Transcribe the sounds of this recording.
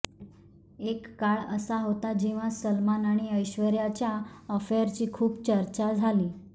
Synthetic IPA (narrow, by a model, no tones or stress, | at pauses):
ekːaɭə̰saɦot̪ad͡ʑeʋ̤asəlmanaɽ̃iəjɕʋəɾjat͡ɕjaəfeɾt͡ɕiːkʰuːpt͡ɕəɾt͡ɕad͡zʱaliː